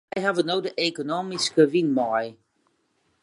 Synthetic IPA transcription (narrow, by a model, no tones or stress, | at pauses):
ɛjɦavənowdəʔekonoːmiskəʋinmɔj